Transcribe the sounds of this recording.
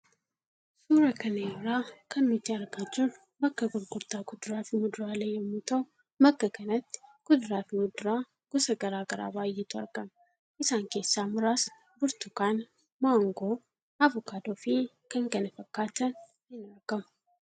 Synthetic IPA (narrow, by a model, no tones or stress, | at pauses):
suːɾɐkɐnɐɪɾaːkɐnmʊt̪ːɪɐɾɡad͡ʒɪr | bɐkːɐɡʊɾɡʊɾt̪aːɡʊd̪ʊɾaːfɪmʊd̪ʊɾaːleːjɛmːʊt̪ɐʊ | mɐkːɐkɐnɐt̪ːɪ̥ɡ̥ʊd̪ʊɾaːfɪmʊd̪ʊɾaː | ɡ̥ɔsɐɡɐɾaːɡɐɾa̰ːbaːjːɛt̪ʊɐ̰ɾɡɐm | ʔɪsaːŋke̞ːsːaːmʊɾaːs | bʊɾt̪ʊkaːn | maːŋɡoː | ɐvʊkaːd̪oːfɪ | kɐŋɡɐnɐfɐkːaːt̪ɐn | hɪnɐɾɡ̥ɐmʊ̥